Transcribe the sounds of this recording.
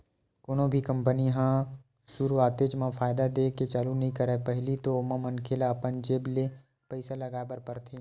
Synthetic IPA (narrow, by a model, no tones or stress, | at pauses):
koːnõbʱikɐ̃mpəniɦã | sʊɾuaːt̪eːd͡ʒmãfʰaːɪd̪ad̪eːket͡ʃaːlunɐɦĩkɐɾepɛɦlit̪omãmɐnkʰeːlaːpənd͡ʒeːble | pəɪsalɐɡaːbəɾpɐɾt̪ʰeː